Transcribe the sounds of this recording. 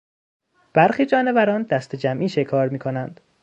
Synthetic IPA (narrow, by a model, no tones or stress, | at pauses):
b̥æɾxiːd͡ʒɒːne̞væɾɒːnd̪æst̪ʰe̞d͡ʒæmʔiːʃe̞kʰɒːɾmiːkʰo̞nænd̪̥